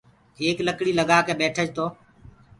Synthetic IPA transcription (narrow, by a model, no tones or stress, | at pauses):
keːkləkɽiːləɠaːkeːɓeːʈʰəd͡ʒt̪oː